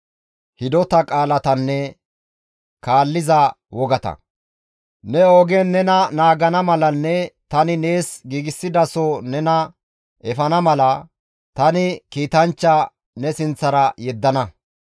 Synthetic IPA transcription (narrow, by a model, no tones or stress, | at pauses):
hɪd̪ɔt̪ɐkʼaːlɐt̪ɐnːɛ | kaːlːɪzɐ | wɔɡɐt̪ɐ̰ | nɛoːɡenːɛnɐnaːɡɐnɐmɐlɐnːɛt̪ɐnɪne̞ːsɡiːɡɪsːɪd̪ɐsɔnɛnɐ | ʔɛfɐnɐmɐlɐ | t̪ɐnɪkiːt̪ɐnt͡ʃːɐ | nɛsɪnt͡sːɐɾɐjɛd̪ːɐnɐ